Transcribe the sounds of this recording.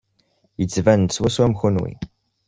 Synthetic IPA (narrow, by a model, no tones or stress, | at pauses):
jət͡sːvænswæswæmxunwḭ